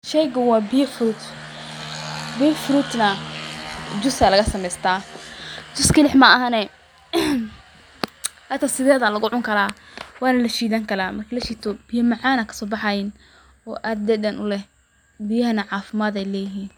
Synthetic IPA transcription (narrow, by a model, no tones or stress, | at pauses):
ʃɛjɣɐwɑːbijɐfɾut̪ | biːfɾut̪nɐ | d͡ʒʊskalɐɣɐsɐmɛjst̪ʰaː | d͡ʒʊskʰɪlɪħmɐɐɦɐnɛ | hat̪ʰɐsɪðɛːðɐlɐɣʊʕʊŋkʰɐlaːwɑːnɐlɐʃiːðaŋkʰɐlaːmɐrkʰɐlɐʃiːt̪ʰɔb̥ɪjɐmɑʕɑːnɐkʰɐ̥sɔːbɑħɑjɪn | ɔːʔad̪d̪ɛːd̪ɐnʔʊlɛh | bɪjɐɦɐnɐʕɑːfɪmaːd̪ɛjlɛːjɪɦiːn